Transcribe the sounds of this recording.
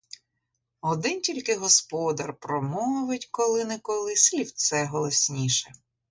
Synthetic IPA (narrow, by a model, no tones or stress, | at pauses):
ɔd̪ɪntʲilʲkɪɦɔspɔd̪ɐrpɾɔmɔʋɪtʲkɔlˠɪnɛkɔlˠɪsʲlʲiwt̪sɛɦɔlˠɔsʲnʲiʃɛ